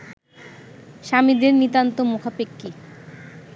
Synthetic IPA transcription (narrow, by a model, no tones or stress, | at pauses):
ʃamid̪eɾnit̪ant̪omukʰapekːi